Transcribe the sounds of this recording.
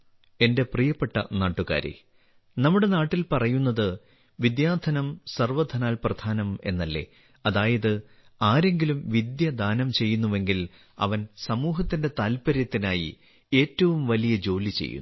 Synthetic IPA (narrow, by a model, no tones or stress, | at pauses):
e̞nde̞prijɐpːe̞ʈːɐ̰naːʈːuɣa̰ːɾḛ | nɐmːuɽe̞naːʈːilpɐrɐjunːɐðɨ | ʋid̪jaːd̪ʰʱɐnɐmsɐrʋɐd̪ʱɐnaːlprɐd̪ʰʱaːnɐme̞̰nːɐlːe̞̰ː | ɐðaːjɐðɨ | aːɾe̞ŋɡilumʋid̪jɐd̪ʱaːnɐmt͡ɕe̞jːunːuʋe̞ŋɡil | ɐ̰ʋɐnsɐmuːɦɐt̪ːinde̞t̪aːlpɐɾjɐt̪ːinaːjḭ | e̞ːtːɐʋumʋɐlijɐd͡ʑo̞ːlit͡ɕḛjːṵnːu